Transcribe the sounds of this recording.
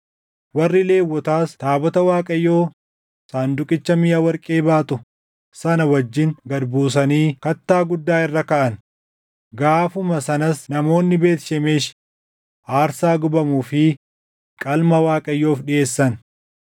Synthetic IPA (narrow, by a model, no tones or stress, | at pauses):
wɐrːɪle̞ːwːɔt̪aːst̪aːbɔt̪ɐwaːkʼɐjːo̞ː | saːnd̪ʊkʼɪt͡ʃːɐmɪjawɐɾkʼeːbaːt̪ʊ | sɐnɐwɐd͡ʒːɪŋɡɐd̪buːs̬ɐniːkɐt̪ːaːɡʊd̪ːaːɪrːɐkɐʔɐn | ɡaːfʊmɐsɐnɐsnɐmo̞ːnːɪbe̞ːt̪ʃɛmeːʃ | ʔaːɾsaːɡʊbɐmuːfɪ | kʼɐlmɐwaːkʼɐjːo̞ːfᶑɪe̞ːsːɐn